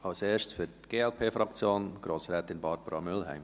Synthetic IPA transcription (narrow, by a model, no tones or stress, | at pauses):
ɑʊseːʃtsfytɡ̥eːɛlpʰeːfɾɑkt͡sjoːnɡ̥ɾoːsɾɛːtɪnbɑɾb̥əɾɑmʏlhæ̰ɪm